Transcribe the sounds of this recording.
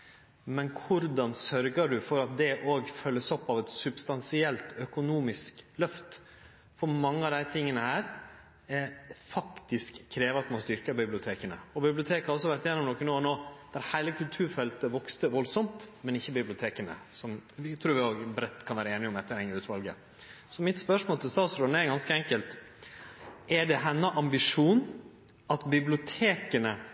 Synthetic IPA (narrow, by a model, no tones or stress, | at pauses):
mɛnkʰʊɾd̪ɑnsœɾɡəɖʉfɔɾɑt̪̚d̪ɛʔoːɡfœlːəsɔpːɑʋɛt̪sʉbst̪ɑnsɪɛlt̪œkʊnuːmɪsklœft̪ | fɔɾmɑŋːəɑʋd̪æɪt̪ʰɪŋːənəhæːɾ | ɛfɑkt̪ɪskʰːɾeːʋəɾɑt̪mɑst̪ʏɾkəbɪblɪʊt̪ʰeːkənə̰ɔbɪblɪʊt̪ʰeːkhɑɾɔs̬ːɔʋæɾʈt̪ɪjɛnɔmnoːkːənoːɔnoːd̪̥æɾhæɪləkʰʉlt̪ʰʉːɾfɛlt̪əʋɔkst̪əʋɔlsɔmt̪mɛnɪçːəbɪblɪʊt̪ʰeːkənə̰sɔmʋɪt̪ʰɾuːɾʋɪoːɡbɾɛt̪ːkʰɑnʋæːɾəeːnɪɔmɛt̪ːəɾhɛŋːəɾʉːt̪ʋɑlɡə̰ | sɔmɪt̪spœʂmoːlt̪ʰɪst̪ɑːt̪sɾɔneːɾɪɡɑnskəɛŋkəlt̪ | ʔɛɖɛɦɛnːəʔɑmbɪʂuːn | ɑt̪bɪblɪʊt̪ʰeːkənə